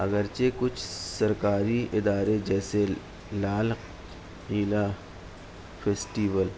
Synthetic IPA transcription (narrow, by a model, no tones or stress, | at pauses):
ɐɡəɾt͡ʃekʊt͡ʃʰsɐɾkaːɾiʔɪd̪aːɾed͡ʒɛːse | laːl | qiːla | pʰeːsʈiːʋəl